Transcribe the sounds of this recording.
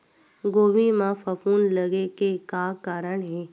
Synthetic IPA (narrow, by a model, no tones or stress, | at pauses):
ɡoːʋimãfəfuːnləɡekekaːkaːɾəɳɦeː